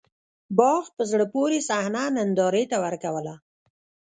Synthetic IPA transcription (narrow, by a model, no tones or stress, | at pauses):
bɑɣpəzɽəpoɾesahnanand̪ɑɾet̪awəɾkawəla